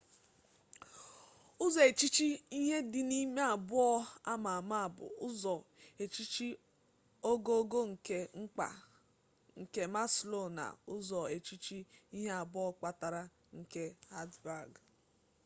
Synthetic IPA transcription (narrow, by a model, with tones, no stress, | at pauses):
ʊ˦zɔ˨e˨t͡ʃi˦t͡ʃi˦i˦ɦe˦dɪ˨ni˦me˦a˨bʊ˦ɔ˦a˦ma˨a˨ma˦a˨bʊ̰˨ʊ˦zɔ˨e˨t͡ʃi˦t͡ʃi˦ | o˦ɡo˦o˦ɡo˦ŋ̩˨ke˦ŋ͡m̩˦k͡pa̰˨ | ŋ̩˨ke˦ma˦slo˦˨na̰˨ʊ˦zɔ˨e˨t͡ʃi˦t͡ʃi˦i˦ɦe˦a˨bʊ˦ɔ˦k͡pa˨ta˨ɾa˦ | ŋ̩˨ke˦ha˦tba˨ɡ